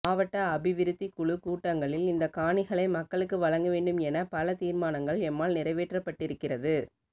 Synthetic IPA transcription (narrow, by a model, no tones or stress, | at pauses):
aːʋɐʈːɐːbɪʋɪɾɯt̪ːikʊɭɯkuːʈːɐŋɡɐɭɪlɪnd̪ɐkaːɳɪɣɐɭɐɪmɐkːɐɭɯkːɯʋɐɻɐŋɡɐʋeːɳɖɯmɛnɐpɐlɐt̪iːɾmaːnɐŋɡɐɭɛmːaːlnɪrɐɪʋeːʈrɐpːɐʈːɪɾɯkːɪrɐðɯ